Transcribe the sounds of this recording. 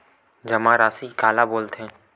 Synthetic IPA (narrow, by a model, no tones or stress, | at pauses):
d͡ʒɐmãɾaːsikaːlaboːlt̪ɦɛ̃ː